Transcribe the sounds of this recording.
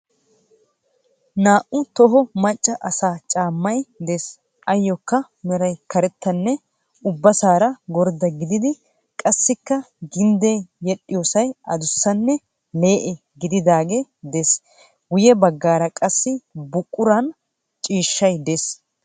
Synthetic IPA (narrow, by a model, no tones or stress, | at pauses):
naːʔʊt̪ɔɦɔmɐt͡ʃʼːɐʔɐsaːt͡ʃʼaːmːɐjd̪es | ʔɐjːɔkːɐ | mɛɾɐjkɐɾɛt̪ːɐnːɛ | ʊbːɐsaːɾɐɡɔɾd̪ɐɡɪd̪ɪd̪ɪ | kʼɐsːɪkːɐ | ɡɪnd̪ejjɛɗʼːɪjoːsɐjʔɐd̪ʊsːɐnːɛ | leːʔɛ | ɡɪd̪ɪd̪aːɡɛd̪es | ɡʊjɛbɐɡːaːɾɐkʼɐsːɪbʊkʼːʊɾɐn | t͡ʃʼiːʃːɐjd̪es